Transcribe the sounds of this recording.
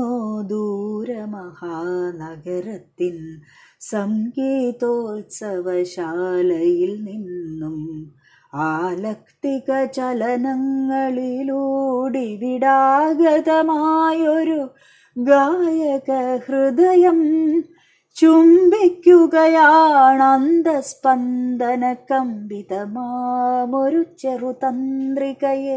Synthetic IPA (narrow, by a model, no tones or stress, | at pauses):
od̪uːɾɐmɐhaːnɐɡɐɾɐt̪ːin | sɐmkiːt̪oːlsɐʋɐʃaːlɐjilninːum | aːlɐkt̪ikɐt͡ʃɐlɐnɐŋɡɐɭiluɽiʋiɽaːɡɐðɐmajoɾu | ɡajɐkɐhrɨd̪ɐjɐm | t͡ʃumbikːuɣɐjaːɳɐnd̪ɐspɐnd̪ʱɐnɐkɐmbit̪ɐmaːmoɾut͡ʃːerut̪ɐnd̪ɾikɐje